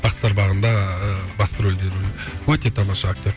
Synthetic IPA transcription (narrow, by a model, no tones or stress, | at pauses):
b̥ɑt̪sɑɾbɑʁənd̪ɑbɑst̪əɾold̪e̞ɾunɪwɵt̪e̞t̪ʰɑmɑʃɑak̚t̪i